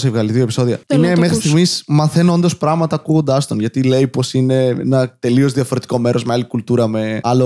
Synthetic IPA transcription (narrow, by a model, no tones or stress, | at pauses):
sevɣɐliðiopi̥so̞ðiɐ̰enɐmexɾist̪iɣmismɐθe̞noo̞nd̪ospɾɐɣmɐt̪ɐːkuɣo̞nd̪ɐst̪onʝɐt̪ile̞ijpo̞sine̞ḛnɐt̪e̞lio̞zðiɐfo̞ɾe̞t̪i̥ko̞me̞ɾʔo̞zmealikult̪uɾɐme̞ɐlo